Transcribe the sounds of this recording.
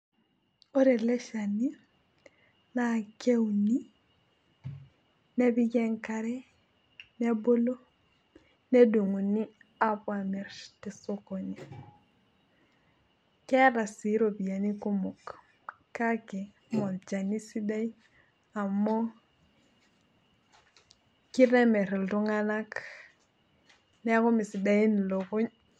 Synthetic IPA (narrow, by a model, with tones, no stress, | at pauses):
o˦ɾe˨le˦ʃa˨ni˦ | na˨ke˦wni˦ | ne˦bi˦ɡe˦ŋka˨ɾe˦ | ne˦bo˦lo˦ | ne˦du˨ŋu˨ni˦a˦pwa˨mɛ˨ɾti˨so˦ko˨ni˨ | ke˦ɾa˨si˨˦ɾo˨bi˨ja˨ni˦ku˦mo˨k | ka˦ke˨ | mo˨ld͡ʒa˨ni˦si˦da˦i˦ | a˨mːo˦ | ki˦ɾe˦me˨ɾldu˦ŋa˦na˦k | ne˦ko˦mi˨si˨da˦i˦n˨lo˨ko˦ɲ